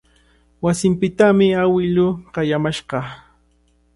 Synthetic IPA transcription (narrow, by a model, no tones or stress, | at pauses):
wasɪmpɪt̪amɪawɪlʊɢɑjamaʃɢɑ